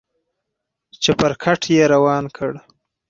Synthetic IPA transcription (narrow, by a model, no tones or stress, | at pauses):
t͡ʃepəɾkʰaʈʰjeɾawɑːnkʰəɽ